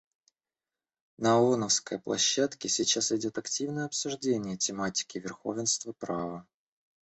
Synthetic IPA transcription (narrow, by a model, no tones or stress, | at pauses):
nəonəfskə̰jplˠɐ̰ɕːat̪kʲɪsʲɪt͡ɕasɪdʲo̞t̪ɐktʲivnəjəɐpsʊʐdʲenʲɪjətʲɪmatʲɪ̥kʲɪvʲɪrxo̞̰vʲɪnst̪vəpɾavə